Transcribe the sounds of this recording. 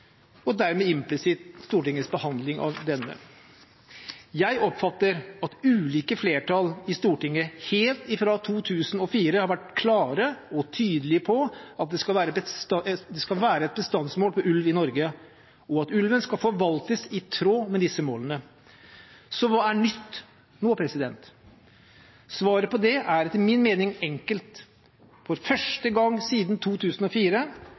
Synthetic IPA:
ɔd̪æɾmɛɪmplɪsɪt̪st̪uːʈɪŋːəsbəhɑnd̪lɪŋʔɑ̰ʋd̪ɛnːə̰ | jæɪʔɔpfɑt̪ːəɾɑt̪ʉːliːkəfleːʈɑlɪst̪uːʈɪŋːəheːlt̪ɪfɾɑt̪ʰuːt̪ʰʉːsənɔfiːɾəhɑɾʋæʈkʰlɑːɾəɔt̪ʰyːd̪əlɪəpʰɔɑt̪̚d̪ɛskɑʋæːɾə | d̪ɛskɑlʋæːɾəɛt̪̚bəst̪ɑnsmoːlpʰɔʔʉlʋɪnɔɾɡə | ɔɑt̪ʉlʋənskɑlfɔɾʋɑlt̪əsɪt̪ʰɾoːmɛd̪ɪsːəmoːlənə | sɔʋɑːæɳʏt̪ː | noːpʰɾɛsɪd̪ɛnt̪ | sʋɑːɾəpɔd̪ɛʔæɾt̪ʰɪlmɪnmeːnɪŋɛŋkəlt̪ | fɔɾfœʂʈəɡɑŋːsiːd̪nt̪ʰuːt̪ʰʉːsənɔfiːɾə

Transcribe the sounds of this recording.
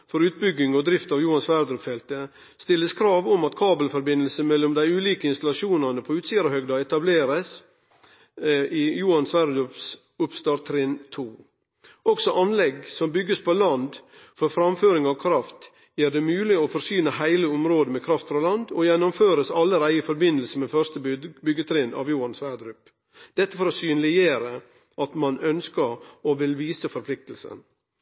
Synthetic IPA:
fɔɾʉːt̪̚bʏɡːɪŋɔd̪ɾɪft̪ɑʋjuːɑnsʋæɾd̪ɾʉpfɛlt̪ə | st̪ɪlːəskʰɾɑːʋɔmɑt̪kʰɑːbəlfɔɾbɪnːəlsəmɛlːɔmd̪æɪʉːliːkəɪnst̪ɑlɑʃuːnɑnəpʰɔʉːt̪siːəɾəhœɡd̪ɑɛt̪ɑbleːɾəs | ijuːɑnsʋæɾd̪ʉps | ʊpst̪ɑːɾt̪ʰɾɪnt̪ʰuː | ɔksɔʔɑnlɛɡsɔmbʏɡːəspʰɔlɑnd̪ | fɔɾfɾɑmføːɾɪŋɑʋkʰɾɑft̪ | jiːɖɛmʉːlɪɔfɔɾsyːnəɦæɪləʊmɾoːd̪əmɛkʰɾɑft̪fɾɑlɑnd̪ɔjɛnːɔmføːɾəsɑlːəɾæɪəfɔɾbɪnəlsəmɛfœɾst̪əbʏɡət̪ʰɾɪnɑ̰ʋjuːɑnsʋæɾd̪ɾʉp | d̪̥ɛt̪ːəfɔɾɔsyːnlɪjeːɾə | ʔɑt̪mɑnœnskəɾɔʋɪlʋiːsəfɔɾpʰlɪk̚t̪lsə̰n

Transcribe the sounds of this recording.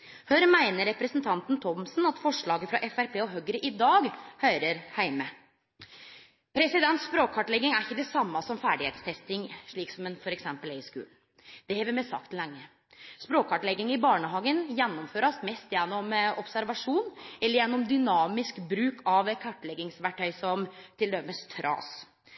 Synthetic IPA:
hœɾmæɪnəɾɾɛpɾəsnt̪ʰɑnt̪n̩t̪ʰɔmsnɑt̪fɔʂɭɑːɡəfɾɑʔɛfæɾpʰeːɔɦœɡɾəʔɪd̪ɑːɡhœɾəɾhæɪmə | pʰɾɛsɪd̪ɛnt̪spɾoːkʰɑʈlɛɡːɪŋæɾɪçːəd̪ɛsɑmːɑsɔmfæːɖɪheːt̪st̪ʰɛst̪ɪŋʂɭiːksɔmɛnfɔɾɛksɛmpəlɛɪskʉ̰ːln̩ | d̪̥ɛhɛːʋɪmɛssɑ̰k̚t̪lɛŋːə | spɾoːkʰɑʈlɛɡːɪŋɪbɑːɳəɦɑːɡənjɛnːɔmføːɾɑsmɛst̪jɛnːɔmɔpsæɾʋɑʂuːnɛlːəɾjɛnːɔmd̪ʏnɑːmɪskbɾʉːkʰɑʋkʰɑʈːlɛɡɪŋsʋæʈʰːœʏsɔmt̪ʰɪld̪ɛməst̪ʰɾɑ̰ːs

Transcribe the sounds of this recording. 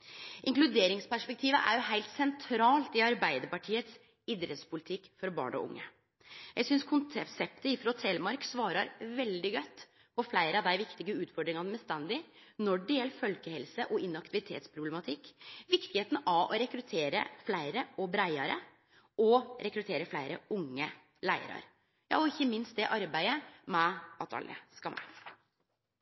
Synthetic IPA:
ʔɪŋklʉd̪eːɾɪŋspæʂpɛk̚t̪ʰiːʋə̰ʔæ̰ɾjʊɦæɪlt̪sɛnt̪ʰɾɑːlt̪ɪɑɾbæɪd̪əɾpɑʈʰiːət̪s | ɪd̪ɾɛt̪spʊlɪt̪ʰɪkːfɔɾbɑ̰ːɳɔ̰ʔʊ̰ŋːə | jæɪsʏnskʰʊnt̪ʰɛsɛp̚t̪əɪfɾɔt̪ʰeːlmɑɾksʋɑːɾɑɾʋɛld̪ɪɡœt̪ː | pʰɔflæɪɾəɑd̪æɪʋɪkt̪ɪɡəʉːt̪fɔɖɾɪŋɑnəmɛst̪ɛnd̪ɪnɔɖɪɛlfœlkəhɛlsəʔɔɪnɑkt̪ɪʋɪt̪ʰḛːt̪spʰɾʊblɛmɑt̪ʰɪkːʋɪkt̪ɪheːt̪n̩ɑɔɾɛkɾʉt̪ʰeːɾə̰flæɪɾəɔbɾæɪɑɾə̰ | ɔɾɛkɾʉt̪ʰeːɾəflæɪɾəʊŋːə | læɪə̰ɾɑ̰ɾ | jɑ̰ːɔɪçːəmɪnst̪̚d̪ɛʔɑɾbæɪəmɛɑt̪ʰɑ̰lːʔə̰skɑmæ̰

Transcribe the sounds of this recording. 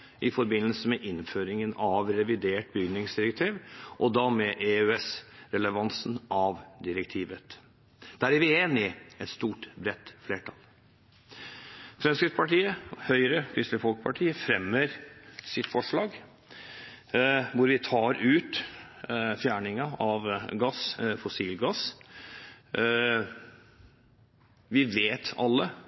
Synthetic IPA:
ʔɪfɔɾbɪnːəlsəmɛʔɪnføːɾɪŋənɑʋɾɛʋɪd̪eːʈbjʏnːɪŋsd̪ɪɾɛk̚t̪ʰiːʋʔɔd̪ɑmɛʔeøɛsɾɛləʋɑnsn̩ʔɑʋd̪ɪɾɛkt̪ʰiːʋət̪ | d̪̥æɾʋɪeːnɪɛt̪st̪uːʈbɾɛt̪ːfleːʈʰɑl | fɾɛmskɾɪspʰɑʈiːəhœʏɾəkʰɾʏsləfɔlkpʰɑʈʰiːəfɾɛmːəɾsɪt̪fɔʂɭɑːɡ | ʋʊɾʋɪt̪ʰɑːɾʉːt̪ | fjæːɳɪŋɑɑʋɡɑsfʊsiːlɡɑs | ʋɪʋeːt̪ɑlːə

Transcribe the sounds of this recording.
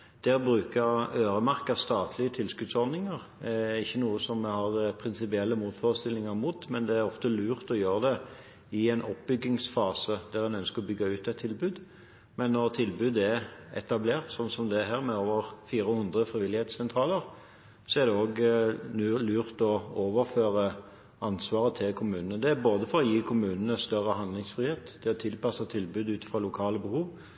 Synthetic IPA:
d̪̥ɛːɾbɾʁʉːkəøːɾəmɑʁkɑʋst̪ɑːt̪ʰlɪət̪ʰɪlskʉd̪sɔɾd̪ɪŋəʁ | ɪçːənuːəsɔmhɑʁpʰɾɪnsɪpɪɛlːəmuːt̪fɔːʁəst̪ɪlːɪŋəɾmuːt̪mɛnd̪ɛæɾɔft̪əlʉːʁt̪ɔjøːɾəd̪ɛ | ɪɛnʔɔpbʏɡɪŋsfɑːsəd̪̥æʁd̪ɛnœnskəʁɔbʏɡːɑʉːt̪ɛt̪ʰːɪlbʉːd̪ | mɛnːɔʁt̪ʰɪlbʉːd̪ɛɛt̪ɑbleːʁt̪sɔnsɔmd̪ɛæɦæːʁmɛoːʋəʁfiːʁəhʊnd̪ʁəfʁɪʋɪlːɪheːt̪ssɛnt̪ʰʁɑːləʁ | sɔæʁd̪ɛoːɡlʉːlyːʁt̪ɔoːʋəʁføːʁə | ɑnsʋɑːʁət̪ʰɪlkʰʊmʉːnənəd̪ɛæboːd̪əfɔɾɔjiːkʰʊmʉːnənəst̪œʁəhɑnd̪lɪŋsfʁɪheːt̪d̪ʰɛɔt̪ʰɪlpɑsət̪ʰɪlbʉːd̪ʉːt̪fʁɔlʊkʰɑːləbəhuːʋ

